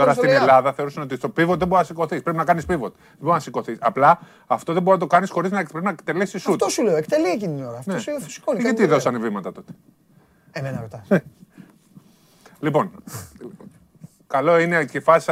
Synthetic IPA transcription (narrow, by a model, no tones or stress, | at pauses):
t̪o̞ɾɐst̪inelɐðɐθe̞ousɐno̞t̪ist̪o̞pivot̪ðeboɾinɐsiko̞θispɾe̞pinɐkɐnispivo̞t̪ | ðembo̞ɾinɐsiko̞θisɐplɐ | ɐft̪oðeboɾinɐt̪o̞kɐnisxo̞ɾiznɐekpɾepinɐekt̪e̞lesisut̪osuleoekt̪eliecinioɾɐftnoesueofisi̥konɐt̪iðo̞sɐnivimɐt̪ɐt̪o̞t̪e̥ | emenɐɾot̪ɐ | lipo̞n | kɐlo̞inecefɐss